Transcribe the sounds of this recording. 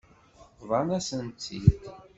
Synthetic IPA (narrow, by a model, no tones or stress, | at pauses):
vˤɑnæsənt̪ːit̪